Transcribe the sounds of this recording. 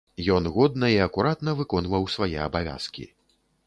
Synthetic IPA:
jɔnɣɔd̪nɐiɐkuɾat̪nɐvɨkɔnvɐwsvajɛɐbavʲa̰skʲḭ

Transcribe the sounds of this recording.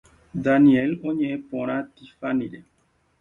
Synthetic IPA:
d̪anielõɲẽʔẽpõɾ̃ãt̪ifanĩɾe

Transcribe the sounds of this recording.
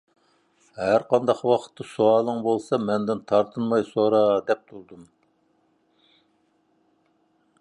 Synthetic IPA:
ɦæɾqɑnd̪ɑqwɑqʰə̥t̪ʰːɑsuɑlˠəŋbolˠsɑmɛnd̪ɪnt̪ʰɑɾt̪ʰɨnmɑjsoɾɑd̪ɛp̚t̪ʰuɾd̪um

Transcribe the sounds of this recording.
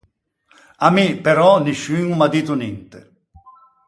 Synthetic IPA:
amipeɾɔniʃːiŋumad̪iːt̪unint̪ḛ

